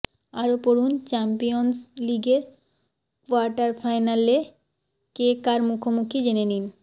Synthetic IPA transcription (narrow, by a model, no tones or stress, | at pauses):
aɾopoɾunt͡ɕɛmpijonsliɡeɾ | kuaɾʈaɾfʰajnale | kekaɾmukʰomukʰid͡ʑenenin